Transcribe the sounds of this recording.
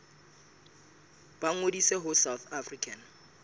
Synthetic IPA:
b̥aŋodiseɦʊsawθafrikʰʼan

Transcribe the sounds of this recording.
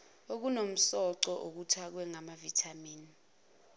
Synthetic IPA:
ok̬unom̩sɔǀɔʔok̬utʰak̬wɛŋamavitʰamiːni

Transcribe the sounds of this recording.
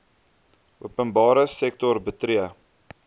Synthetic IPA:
ʔuəpənbɑːɾəsɛk̚tɔrbətɾiə

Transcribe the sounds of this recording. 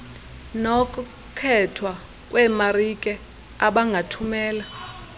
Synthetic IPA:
nokʼu | kʰɛtʰwa | k̬ʼwɛmarikʼɛ | aɓaŋɡʱatʰumɛːla

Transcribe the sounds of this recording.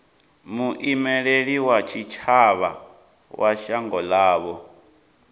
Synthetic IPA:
muʔimɛɺeɺiwat͡ʃʰit͡ʃʰaβa | wʔaʃaŋɡɔlaːβɔ

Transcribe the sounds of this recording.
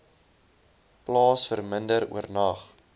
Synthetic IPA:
plɑːsfərməndəɾṵərnɐχ

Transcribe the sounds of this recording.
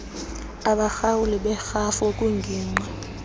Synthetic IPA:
aɓaxawuliɓɛxafokʼuŋɡʱiːŋ͡ǃa

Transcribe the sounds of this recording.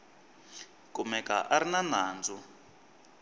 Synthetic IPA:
kumɛka̰ʔaɾinanaːnd͡zu

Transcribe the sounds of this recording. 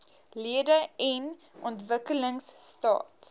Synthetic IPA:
liədəɛn | ʔɔntvəkələŋsːtɑ̰ːt

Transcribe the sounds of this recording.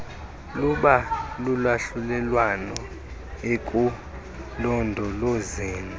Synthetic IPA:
luɓalulwaɬulɛlwanɔ | ekʼu | lɔndʱɔlozeːn

